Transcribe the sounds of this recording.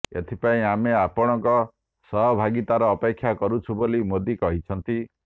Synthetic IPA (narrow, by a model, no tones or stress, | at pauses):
ḛt̪ʰipaĩameapɔɽ̃ɔŋkɔ | sɔɦɔbʱaɡit̪aɾɔːpekʰːjakɔɾut͡ʃʰubolimod̪ikɔɦit͡ʃʰɔnt̪i